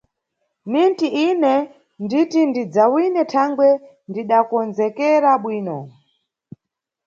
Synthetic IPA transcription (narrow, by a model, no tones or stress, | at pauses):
nintiʔinɛ | nditindid͡zawinɛtʰaŋɡwɛ | ndiɗakɔnzɛkɛɾaɓwiːnɔ